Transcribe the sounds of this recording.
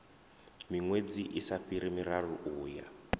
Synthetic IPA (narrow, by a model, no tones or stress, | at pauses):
miŋwed͡ziʔisaɸiɾimiraruʔuːja